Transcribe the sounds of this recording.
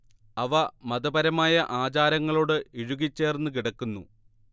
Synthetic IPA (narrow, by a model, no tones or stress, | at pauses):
ɐʋɐmɐðɐbɐɾɐmaːjɐʔaːt͡ɕaːɾɐŋːɐɭoːɽɨiɻuɣit͡ɕːe̞ːrenːɨk̬iɽɐkːunːṵ